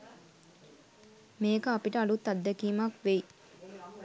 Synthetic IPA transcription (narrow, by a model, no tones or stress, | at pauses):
meːkəapiʈəalut̪ːad̪ːɛkiːmakʋej